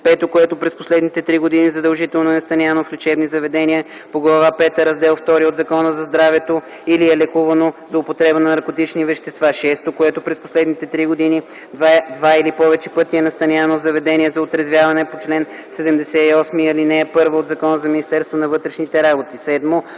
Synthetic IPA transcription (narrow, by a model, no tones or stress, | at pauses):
pɛt̪okoɛt̪opɾɛsposlɛd̪nit̪ɛt̪ɾiɡod̪inizɐd̪ɐlˠʒit̪ɛlˠnoɛnɐst̪ɐnʲanoflʲɛt͡ʃɛbnizɐvɛd̪ɛniə | poɡlˠɐvapɛt̪əɾɐzd̪ɛlˠft̪ɔɾiod̪zɐkɔnəzɐzd̪ɾavɛt̪o | iliɛlɛkuvɐnozopot̪ɾɛbənɐnɐɾkot̪it͡ʃnivɛʃt̪ɛst̪vaʃɛst̪okoɛt̪opɾɛsposlɛd̪nit̪ɛt̪ɾiɡod̪ini | d̪vailipɔvɛt͡ʃɛpɤt̪iɛnɐst̪ɐnʲanovzɐvɛd̪ɛniəzɐot̪ɾɐzvjavɐnɛpot͡ʃlɛnsɛd̪ɛmd̪ɛsɛiɔsmiɐlinɛːpɤɾvəod̪zɐkɔnəzɐminist̪ɛɾst̪vonɐvɤt̪ɾɛʃnit̪ɛɾabot̪isɛd̪mo